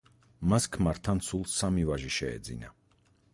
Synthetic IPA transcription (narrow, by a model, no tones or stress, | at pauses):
maskʰmaɾt̪ʰansʰulˠsamivaʒiʃɛɛ̰d̪zḭna